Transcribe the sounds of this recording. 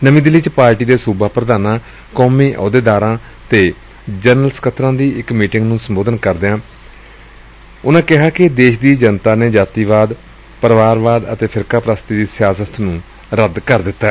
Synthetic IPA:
nəʋĩːd̪ɪliːt͡ʃpaːɾʈiːd̪eːsuːbaːpɾəd̪aːnãː | kɔːmiːʔɔ̰ːd̪eːd̪aːɾãː | t̪eː | d͡ʒəːnəlskət̪ʰɾãːd̪iːɪkmiːʈɪ̃ŋɡnũːsəmboːd̪ənkəɾd̪eãː | ʊnãːkɪɦaːkɪd̪eːʃd̪iːd͡ʒənt̪aːneːd͡ʒaːt̪iːʋaːd̪ | pəɾʋaːɾʋaːd̪ə̰t̪eːpʰɪɾkaːpɾaːst̪iːd̪iːsɪjaːsət̪nũː | ɾəd̪kəɾd̪ɪt̪ːaɛ

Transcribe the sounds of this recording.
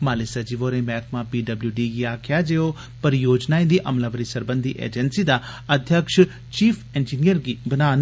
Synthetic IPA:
maːlesɐd͡ʒiʋoːɾẽmɛːkʰmãpiːɖɐbljuɖiɡiaːkʰɪjad͡ʒeːo | pɐɾjoːd͡ʒnaːĩd̪iʔɐmlaʋəɾisɐɾbə̃nd̪ʱiʔḛːd͡ʒənsid̪a | ɐd̪ʱjəkʃ | t͡ʃiːfʰẽːnd͡ʒiːnijəɾɡibɐnaːn

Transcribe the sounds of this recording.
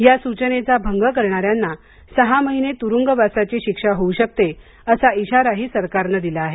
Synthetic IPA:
jasut͡ɕənet͡sabʱəŋɡəkəɾɳaɾjanːa | səɦaməɦinet̪uɾuŋɡəbasat͡ɕiːɕikʂaɦouɕək̚t̪e | əsaiɕaɾaɦiːsəɾkaɾnəd̪ilaaɦe

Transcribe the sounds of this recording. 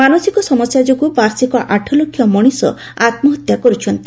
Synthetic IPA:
manɔsikɔsɔmɔsjad͡ʒoɡubaɾsikɔʔaʈʰɔlokʰːjɔmɔɽ̃isɔ̰ | at̪mɔɦɔt̪jakɔɾut͡ʃʰɔnt̪i

